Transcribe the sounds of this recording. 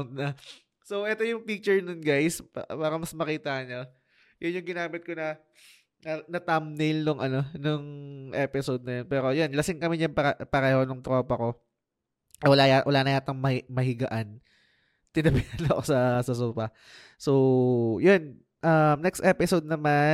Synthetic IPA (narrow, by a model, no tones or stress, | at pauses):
nɐ | sowʔɛt̪o̞jʊŋpik̚t͡ʃɛɹnʊnɡajspaːɾɐmɐsmɐkiːt̪ɐɲo | jʊnjʊŋɡɪnaːmɪt̪̚ko̞nɐ | nɐnɐt̪amnelnʊŋʔɐno̞nʊŋʔɛːpɪsod̪̚nɐjonpɛːɾo̞jonlɐsɪŋkɐmɪɲɐŋpɐpɐɾɛːhonʊŋt̪ɾo̞ːpɐko̞ | wɐlajawɐlaːnɐjaːt̪ɐŋmɐmɐɦɪɡɐʔan | t̪ɪnɐbɪhɐnɐko̞sɐsɐs̬uːpɐ | sowjon | ʔɐmnɛkst̪ʔɛːpɪsod̪̚nɐma